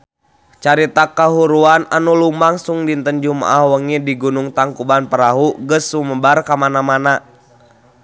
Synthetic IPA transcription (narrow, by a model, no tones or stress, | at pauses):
t͡ʃaɾit̪akaɦuɾuana̰nulumaŋsuŋdint̪ənd͡ʒuma̰ʔahwəŋidiɡunuŋt̪aŋkubanpəɾaɦuɡəsuməbarkamanamana